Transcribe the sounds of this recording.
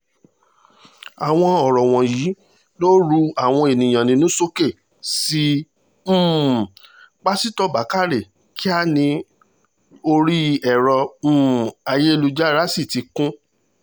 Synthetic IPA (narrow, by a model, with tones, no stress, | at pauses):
a˨w̃ɔ̃˧ɔ˨ɾɔ˨w̃ɔ̃˨jiː˨˦ | lo˦ɾu˧a˨w̃ɔ̃˧e˨nĩ˨j̃ã˨nĩ˧nũ˦so˦ke˦˨ | si˦ | m̩̃ː˦˨ | k͡pa˦si˦tɔ˦ba˨˦ka˦˨ɾe˦˨ | ki˦a˦nĩ˧ | o˧ɾi˦ɛ˨ɾɔ̃˧˦˨ | a˧je˦e˦˧lu˧d͡ʒa˦ɾa˦si˦˨ti˨˧kũ˦